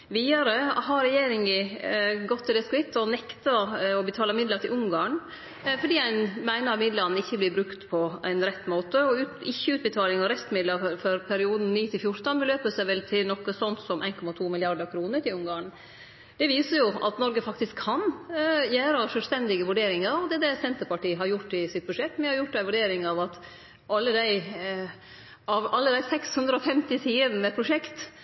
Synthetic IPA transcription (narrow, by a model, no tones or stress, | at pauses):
ʋiːɑɾəɦɑɾɾɛjeːɾɪŋɪɡɔt̪ʰːɪd̪ɛskʉʋɪt̪ːɔnɛkt̪ɑɔbət̪ʰɑːlɑmɪd̪ləʈ̪ʰɪlʔʊŋɡɑːɳ | fɔɖiːæɪnmæɪnəɾɑmɪd̪lɑnɪçːəblɪbɾʉkt̪pʰɔʔæ̰ɪnɾɛt̪ːmoːt̪əɔʉːɪçːəʉːt̪̚bət̪ʰɑːlɪŋɑɾɛst̪mɪd̪lɑɾfɔɾpʰæɾɪuːd̪n̩niːt̪ʰɪlfjʊɾt̪ɑnbəløːpəsæʋɛlt̪ʰɪlnɔkːəsɔnt̪sɔmʔæɪnkʰɔmɑt̪ʰuːmɪlɪɑɾɖ̪əɾkʰɾuːnəʈʰɪlʊŋɡɑːɳ | d̪̥ɛʋiːsəɾjʊʔɑ̰t̪nɔɾɡəfɑkt̪ɪskʰːɑnjæːɾɑʂœlst̪ɛnd̪ɪɡəʋʉɖeːɾɪŋɑɾɑʋd̪ɛd̪ɛsɛnt̪əɾpɑʈiːəɦɑɾjʊʈːɪsɪt̪̚bʉʂɛt̪ːmɛhɑɾjʊʈ̚ːd̪æɪʋʉɖeːɾɪŋɑʋɑt̪ | ʔɑlːəd̪æɪ | ɑʋɑlːəd̪æɪsɛkshʉnd̪ɾəɔfɛmt̪ɪsiːəd̪n̩əpʰɾʊʂɛkt̪